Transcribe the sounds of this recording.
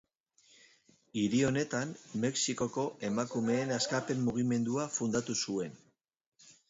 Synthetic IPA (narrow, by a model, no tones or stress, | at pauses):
iɾio̞ne̞t̪anme̞ksiko̞ko̞ʔe̞makume̞ːnaskape̞mːuɣ̞ime̞nd̪uafund̪at̪usue̞n